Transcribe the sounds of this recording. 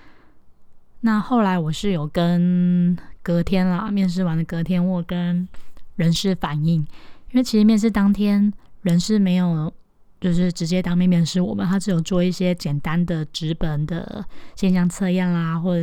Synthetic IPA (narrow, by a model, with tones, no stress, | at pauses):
na˥˧xo˥˩ʊla˧˥ɪwɔ˨˩ʂɻ̩˥˩jo˨˩ʊkə˦n | kɤ˧˥t̪ʰjɛ˥nlə˨mjɛ˥˧nʂ̬ɻ̩˥˩wa˧˥˦nd̪ə˨kɤ˧˥t̪ʰjɛ˥nwɔ˥˩kə˦nɻə˧˥nʂɻ̩˥˩fa˨˩ni˥˩ŋi˥nwe˥˩ɪt͡ɕʰi˧˥ʂ̩ɻ̩˧mjɛ˥˧nʂ̬ɻ̩˥˩t̪ɑ˥ŋt̪ʰjɛ˥nɻə˧˥nʂɻ̩˥˩me˧˥ɪjo˨˩ʊ | t͡ɕjo˥˧ʊʂɻ̩˥˩ʈ͡ʂɻ̩˧˥t͡ɕjɛ˥t̪ɑ˥ŋmjɛ˥˧nmjɛ˥˧˩nʂɻ̩˥˩wɔ˨˩mə̰˦nt̪ʰa˥ʈ͡ʂɻ̩˧˥jo˨˩ʊt͡swɔ˥˧i˥˩ɕjɛ˥t͡ɕjɛ˨˩nt̪a˦nd̪ə˨ʈ͡ʂɻ̩˧˥pə˨˩nd̪ə̰˨˩ɕɛ˥˧nɕjɑ˥˧ŋt͡sʰɤ˥˧jɛ˥˩nla˨˩xwɔ˥˩˨